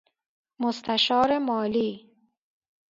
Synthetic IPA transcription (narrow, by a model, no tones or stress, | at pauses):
mʊst̪ʰaʃɒːɾemɒːliː